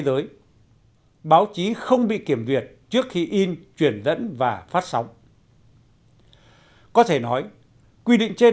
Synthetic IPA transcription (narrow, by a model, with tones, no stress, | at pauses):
zəː˨˦j | ɓaː˨˦wt͡ɕi˨˦xə˧wŋ͡mɓḭ˧˨ki˧˩əmzwi˨˩ət̚t͡ɕɨ˦˥ək̚xi˧ʔi˧nt͡ɕwi˧˩ənzə̰˧˥nvaː˨˩faː˦˥t̚sa˨˦wŋ͡m | kɔ˨˦t̪ʰe˧˩nɔ˨˦j | kwi˧ɗḭ˧˨ŋ̟t͡ɕe˧